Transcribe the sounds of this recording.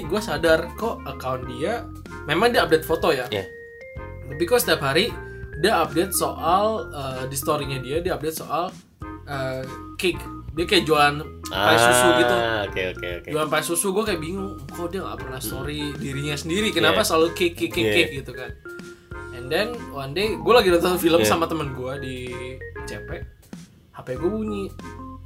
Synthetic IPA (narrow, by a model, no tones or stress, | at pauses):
ɡuasadarkoʔəkawndia | memaŋdiaːp̚det̪̚fot̪oja | t̪ap̬ikɔsə̥t̪iapɦaɾidiaap̚det̪̚soʔalədist̪oɾiɲadiadiaːp̚det̪soʔal | ə | kɪkdiakajad͡ʒoan | aisusuɡit̪uokeo̰kḛo̰ked͡ʒoanpaisusuɡuakajaʔbiŋʊŋkawdiaŋa̰pərnahst̪oɾidiɾiɲasəndiɾikənapasəalukekɪkɪkːɪk̚ɡit̪ukan | ɛndɛnwandeɡualaɡidat̪əŋfiləmmsamat̪əmənɡuadi | t͡ʃɛpɛʔ | hapaɡuabuɲi